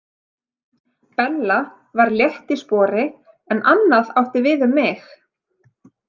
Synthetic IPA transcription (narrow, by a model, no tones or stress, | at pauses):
pɛnla | vaɾljɛht̪ispɔːɾɪ | ɛnʔanːaðawht̪ɪvɪðʏmːɪx